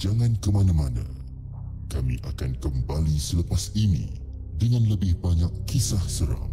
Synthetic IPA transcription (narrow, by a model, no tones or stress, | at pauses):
d͡ʒaŋãnkəmanãmanã̰ | kamḭ̃ʔakankəmbalisələpasinḭ̃ | dəŋãnləbɪhbaɲakːisahsəɾa̰ŋ